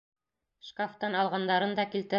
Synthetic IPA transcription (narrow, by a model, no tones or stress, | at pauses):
ʃkaft̪ɑnɑlˠʁɑnd̪ɑɾɤnd̪ɑkilt̪ɘ̆